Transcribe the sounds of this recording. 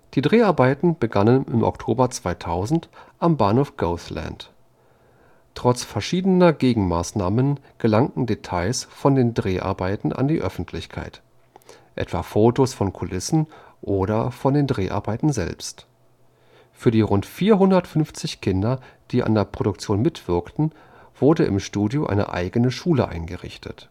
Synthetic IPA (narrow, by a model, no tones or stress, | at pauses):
d̥iːdʁeːʔaɐbaɪtn̩b̥əɡanənɪmʔɔ̰ktʰoːbɐt͡sv̥aɪtʰaʊzn̩tʔambaɐnhoːfɡ̥oʊθlɛ̰nt | ʁ̥ɔt͡sfɛɐʃiːdənɐɡeːɡŋ̩ma̰ːsnaːmən | ɡ̥əlaŋtn̩detʰaɪsfɔndeːndʁeːʔa̰ɐbaɪtn̩ʔa̰ndiːʔœfn̩tʰlɪçkʰa̰ɪt | ʔɛ̰tv̥aːfoːtosfɔnkʰʊlɪsn̩ʔoːɾɐfɔndeːndʁeːʔa̰ɐbaɪtn̩zɛ̰lpst | fyːɐdiːʁʊntfiːɐɦʊndɐtfʏnft͡sɪçkʰɪndɐd̥iːʔa̰ndeːɐpʁ̥oɾʊkt͡sjoːnmɪtv̥ɪɐktn̩ | v̥ʊɐdəʔɪ̰mʃtuːdjoʔa̰ɪnə̰ʔa̰ɪɡənəʃuːlə̰ʔa̰ɪnɡəʁɪ̰çtʰət